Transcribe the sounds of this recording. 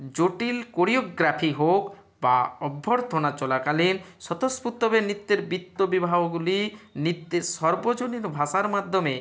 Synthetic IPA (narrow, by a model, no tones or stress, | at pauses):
d͡ʑoʈilkoɾiokɡɾapʰiɦok | baɔbʱːoɾt̪ʰonat͡ɕɔlakalinʃɔt̪osput̪ːobenit̪ːeɾbit̪ːobibʱaboɡulinit̪ːeʃɔɾbod͡ʑoniɾbʱaʃaɾmad̪ʱːome